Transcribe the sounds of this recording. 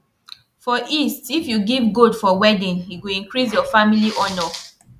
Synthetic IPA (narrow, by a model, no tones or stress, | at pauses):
fɔʔistifjuɡivɡodfɔwɛdĩniɡoĩnkɹis̬jɔfamiliʔɔnɔ